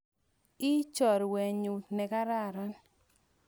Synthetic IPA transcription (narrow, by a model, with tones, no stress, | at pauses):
i˦t͡ʃɔ˨ɾwɛ˨ɲu˨tnɛ˨ka˦ɾa˦˨ɾa˦n